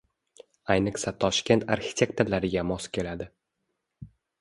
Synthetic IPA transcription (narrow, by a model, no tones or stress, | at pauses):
ajnɨqsat̪ʰɒʃkʲe̞nt̪ʰaɾxʲɪ̥t̪ʲʰe̞kt̪ʰalaɾɪɡʲamɒskʲʰe̞lad̪ɪ